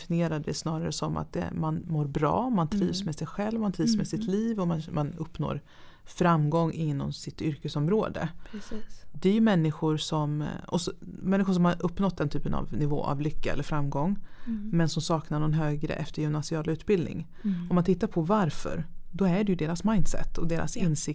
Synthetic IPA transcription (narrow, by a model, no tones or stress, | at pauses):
fɪnɪeːɾad̪ɛ̰snɑːɾaɾəsɔma̰t̪̚d̪ɛ̰manmoːɾbɾɑ̰ːmant̪ʰɾiːvsmɛsɛjɧɛlvmant̪ʰɾiːvsmɛsɪt̪ʰliːvɔmanmʔanɵpːno̰ːɾ | fɾamːɡɔŋːɪnːɔ̰msɪt̪ʏɾkəsɔmɾoːd̪ə̰pʰɛd̪ɛæɾjɵmɛnːɪɧʊɾsɔmɔsɔmɛnːɪɧʊʂ̬ɔmhaɾʔɵpːnɔt̪̚ːd̪ɛnt̪ʰyːpəna̰vnɪvo̰ːʔa̰vlʏkːaɛ̰lːəɾfɾamːɡɔŋːmɛnsɔmsɑːknaɳɔnɦøːɡɾə̰ʔɛft̪əɾjɪmnasɪɑːlʉ̟ːt̪bɪld̪nɪ̰ŋ | ɔmːant̪ʰɪt̪ːaɾpʰɔvaɾfœ̰ɾd̪ɔæɖɛjɵd̪eːɾasmajnd̪sɛ̰t̪ʰːɔd̪eːɾʔa̰sɪnsɪk